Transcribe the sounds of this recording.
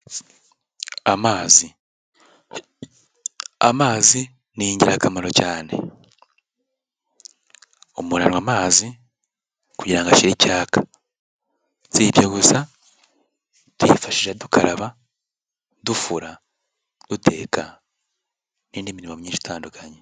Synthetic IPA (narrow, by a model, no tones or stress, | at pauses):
amaːzi | a̰maːzi | niɲɟiɾakamaɾo̞caːne̞̰ | omunanwamaːzi | kuɟiɾaŋɡaʃiɾicaːkḁ | z̥ibjeɡusa | twḭːfaʃiʒadukʰaɾaβa | dufuɾa | d̥utʰe̞̰kʰa | niːndiminimamuɲiːnʃu̥tʰaːndukʰaɲe